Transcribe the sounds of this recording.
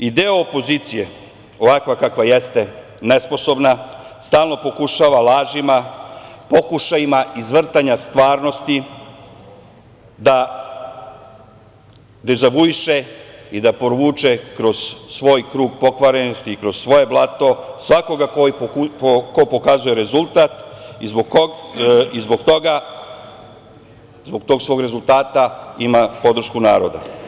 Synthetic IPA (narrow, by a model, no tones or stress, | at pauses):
id̪eoopo̞zit̪sije | o̞ʋakʋakakʋajest̪e̞ | nespo̞so̞bnast̪aːlˠno̞po̞kuʃaːʋalaːʒimapo̞kuʃajimaʔizʋr̩t̪aɲast̪ʋaːɾno̞st̪i | d̪a | d̪ezaʋuiʃeid̪apɾoʋuːt͡ʃekɾo̞z̥sʋo̞ːjkɾuːɡpo̞kʋaɾenost̪iːkɾozsʋo̞je̞blˠat̪o̞sʋako̞ɡakoiopoko̞po̞kazuje̞ɾe̞zulˠt̪at̪izbooizbo̞ɡt̪o̞ɡa | zboɡ̚t̪o̞ːɡsʋo̞ɡɾe̞zulˠt̪aːt̪aimapo̞d̪r̩ʃkuna̰ːɾo̞d̪a̰